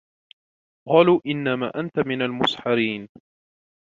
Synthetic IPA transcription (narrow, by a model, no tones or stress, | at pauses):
qɑːluːʔɪnːama̰ːʔant̪amɪnalmʊsħɑɾiːn